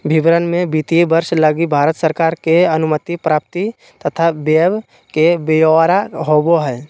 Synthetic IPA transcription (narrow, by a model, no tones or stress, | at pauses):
bʱɪbɾənmẽbiːt̪iebəɾʃləɡibʱaːɾət̪səɾkaːɾkeɐnʊmət̪ipɾaːp̚t̪i | t̪ət̪ʰabeb | kebejoaɾaɦoːboɦɛː